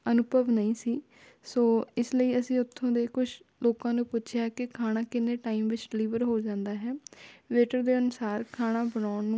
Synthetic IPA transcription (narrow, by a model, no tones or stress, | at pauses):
ənʊpəʋnəĩːsiː | soːɪsləiːəsĩːʊt̪ʰːõːd̪eːkʊt͡ʃʰloːkãːnũːpʊtːʃʰɪjaːkɪkʰaːnãːkɪneːʈaːiːmʋɪt͡ʃɖɪliːʋəɾɦoːd͡ʒãːnd̪aːɦɛːʋeːʈəɾd̪eːənʊsaːɾkʰaːɽ̃aːbənaːʊɳnũː